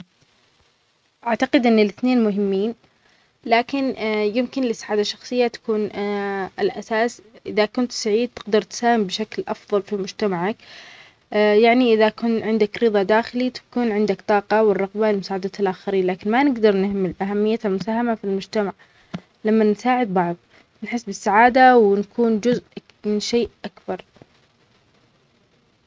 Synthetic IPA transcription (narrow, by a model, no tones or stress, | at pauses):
ʔaʕt̪aqɪd̪ʔɪnːɪlɪθneːnmʊɦɪmːiːn | laːkɪnjɪmkɪnlɪsaʕaːd̪aʃːɑxsˤɨjːat̪ḁkuːnʔɪlʔasaːsʔɪðakʊnt̪saʕiːd̪̚t̪ɪɡd̪ɑɾˤt̪saːhɪmbɪʃaklʔɑfðˤɑlfimʊd͡ʒt̪amaʕak | jaʕniʔɪðakʊnʕɪnd̪akɾɨðˤɑd̪aːxɪlit̪ḁkuːnʕɪnd̪akt̪ˤɑːqɑwɪrˤːɑɣbalɪmʊsaːʕad̪at̪lʔaxɑɾiːnlaːkɪnmanɪɡd̪ɑɾˤnɪhmɪlʔaɦamːɪjːaalmʊsaːɦamafilmʊd͡ʒt̪amaʕ | lamːansaːʕɪd̪̚bɑʕðˤ | nħɪsːbɪsːaʕaːd̪awɪnakʰuːnd͡ʒʊzʔ | mɪnʃeːʔʔakbɑɾˤ